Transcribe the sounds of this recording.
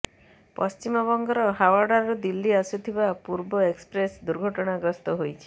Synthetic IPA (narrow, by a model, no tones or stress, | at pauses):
pɔst͡ʃimɔβɔŋɡɔɾɔɦawaɾɖaɾud̪ilːiasut̪ʰibapuɾbɔekspɾesd̪uɾɡʱɔʈɔɽ̃aɡɾɔst̪ɔɦojt͡ʃʰi̥